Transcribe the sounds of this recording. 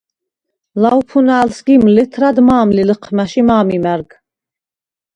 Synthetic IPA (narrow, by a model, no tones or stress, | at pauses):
laupʰunaːlsɡimlit̪ʰɾad̪maːmliləqʰmæʃimaːmimæɾɡ